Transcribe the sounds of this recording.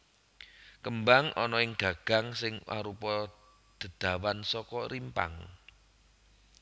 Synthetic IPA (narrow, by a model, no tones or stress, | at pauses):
kəmbaŋʔɔnɔɪŋɡ̥ä̤ɡ̥a̤ŋsɪŋwa̰ɾupɔ | d̪̥ə̤d̪̥ä̤wansɔkɔrimpa̰ŋ